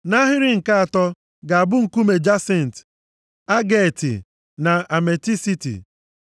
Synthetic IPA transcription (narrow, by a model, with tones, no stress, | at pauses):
na˦ɦɪ˦ɾɪ˦ŋ̩˨ka˦a˨tɔ˦ | ɡa˨a˨bʊ˦ŋ̩˨ku˦me˨d͡ʒa˦se˨n̩˨t | a˦ɡe˦˨tḭ˨ | na˨a˨me˨ti˦si˦tḭ˨